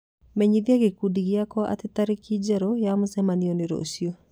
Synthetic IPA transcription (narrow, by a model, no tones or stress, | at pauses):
mɛɲiðiaɣekudiɣjakɔʔa̰tetaɾekid͡ʒɛɾɔjamʊsɛmaniɔneɾo̰osio